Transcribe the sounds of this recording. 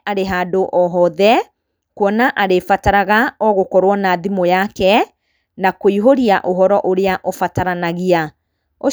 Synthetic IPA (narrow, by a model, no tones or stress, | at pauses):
aɾeɦaːdoʔɔɦɔðɛ | kwɔnaʔaɾefataɾaɣaɔɣokɔɾwɔnaðimojakɛ | nakoiɦoɾiaʔoɦɔɾɔʔoɾeaʔofataɾanaɣia | o